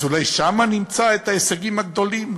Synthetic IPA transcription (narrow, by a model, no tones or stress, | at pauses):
zulajʃamanimt͡saet̪haeseɡimaɡd̪o̞lim